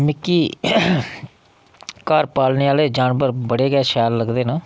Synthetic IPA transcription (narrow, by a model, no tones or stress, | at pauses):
mɪkːiː | kaːɾpaːlneːaːleːd͡ʒaːnbəɾbəɽeːɡɛːʃaːlːəɡd̪eːnãː